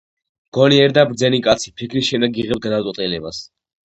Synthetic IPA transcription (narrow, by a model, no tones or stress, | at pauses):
mɡ̥ɔniɛɾd̪abɾd̪zɛnikʼat̪sʰi̥pʰikʰɾisʃɛnd̪ɛɡiʁɛps̚ɡad̪at̪sʼɛt̪ʼilɛbas